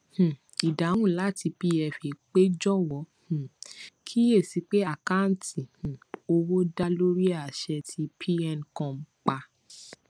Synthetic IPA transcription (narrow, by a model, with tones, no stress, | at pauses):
h̩˨ | i˨da˨˦w̃ũ˦˨la˨˦˨ti˧pi˧˦ɛ˧fe˨k͡pe˦d͡ʒɔ˦˨wɔ˨˦h̩˨kʰi˦e˦˨si˨˦k͡pe˦a˦˨ka˦n̩˨˦ti˨h̩˨o˧wo˦da˦lo˦ɾi˦a˦˨ʃɛ˧tʰi˧pʰi˦ɛ˦˨nkɔ̃˧m̩˦k͡pa˧